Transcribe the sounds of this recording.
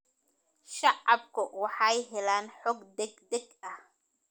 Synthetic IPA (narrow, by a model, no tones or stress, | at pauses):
ʃɑʕɑbkʰʊwɑħɑjɦɛlaːnħɔːɡd̪ɛɡd̪ɛɡɐh